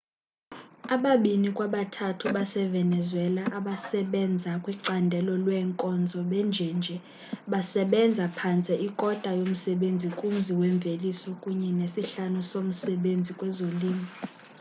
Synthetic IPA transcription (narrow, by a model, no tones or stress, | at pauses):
aɓaɓinikʼwaɓatʰatʰuɓasɛvɛnɛzwɛlaʔaɓasɛɓɛnd͡zʱakʼwiǀandʱɛlɔlwɛŋkʼɔnd͡zʱɔɓɛnd͡ʒʱɛnd͡ʒʱɛ | ɓasɛɓɛnd͡zʱapʰant͡sʼɛʔikʼɔd̥ʱajom̩sɛɓend͡zʱikʼum̩ziwɛɱb̪vʱelisɔkʼuɲɛnesiɬanusom̩sɛɓend͡zʱikʼwɛzoliːmi